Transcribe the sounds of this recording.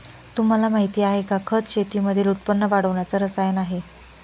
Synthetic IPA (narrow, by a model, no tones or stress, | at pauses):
t̪um̤alamaɦit̪iːaɦekakʰət͡sɕet̪iːməd̪ʱilut̪̚pənːəʋaɽəʋɳjat͡səɾəsajənaɦe